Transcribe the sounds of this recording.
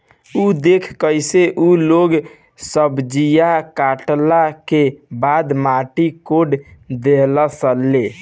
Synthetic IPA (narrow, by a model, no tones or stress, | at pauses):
ud̪ekʰkəjseʔuloɡ | səbd͡ʒijakaʈlakebad̪maʈikoɖd̪eləsəlːe